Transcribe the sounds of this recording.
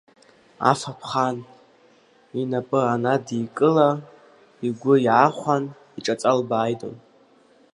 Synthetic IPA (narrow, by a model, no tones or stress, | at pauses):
a̰fapʰχan | inapʼɨanadikʼɨla | iɡʷʊiʕaχʷan | iʈ͡ʂʼat͡sʼalbaːjtʼo̰n